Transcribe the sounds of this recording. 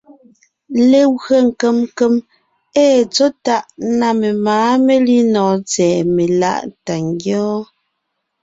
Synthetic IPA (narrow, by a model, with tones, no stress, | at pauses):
le˨ɣɰə˦˨ŋ̩˨ke˦mke˦m | ɛː˦˨t͡so˦ta˦ʔna˨me˨maː˨˦me˦li˦nɔː˨t͡sɛː˨me˨la̰˦˨ʔta˨ŋɡjɔː˦